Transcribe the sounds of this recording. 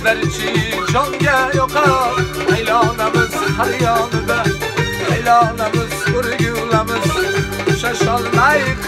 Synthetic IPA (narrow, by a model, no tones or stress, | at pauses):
b̪aɾt͡ʃʰɪd͡ʒɒŋɡʲajoqʰɑɾajlanamɪz̥haɾjɒːnɪd̪aajlɒnamɪzʊɾɡʊwlamɪzʊʃaʃɒlːaj